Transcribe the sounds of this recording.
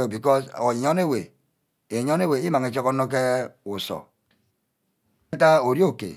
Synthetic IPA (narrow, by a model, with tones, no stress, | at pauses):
bi˨kɔ˦so˨ɔ˦ne˦we˨ | e˨ɲɔ˦ne˦we˨i˦ma˨ŋe˨t͡ʃɔ˦kɔ˦nɔ˦k̬e˦u˨sɔ̰˨˦ | ta˦o˨ɾi˦o˦˨kḛ˨